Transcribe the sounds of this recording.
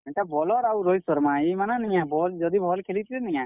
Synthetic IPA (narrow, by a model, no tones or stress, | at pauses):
ɛtabɔlɔɾawɾojsɔɾmãimananijãbʱɔld͡ʒɔd̪ibʱɔlkʰelit̪ʰilenijã